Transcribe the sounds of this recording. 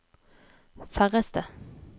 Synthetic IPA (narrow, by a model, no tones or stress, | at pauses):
fæʁəst̪ə